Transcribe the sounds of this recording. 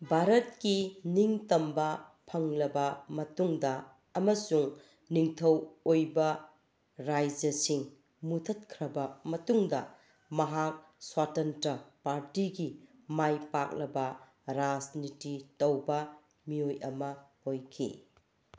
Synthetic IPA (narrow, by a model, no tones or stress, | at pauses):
bʱaɾɐt̚kiniŋtɐmbɐpʰɐŋlɐbɐmɐtuŋdɐː | mɐsuŋ | niŋtʰɐwojbɐ | ɾajd͡ʒɐsiŋ | mutʰɐt̚kʰɾɐbɐmɐtuŋdɐ | mɐɦak̚ | swatɐntɐpaɾtiɡi | majpak̚lɐbɐ | ɾasnititɐwbɐ | miojɐmɐhojkʰḭ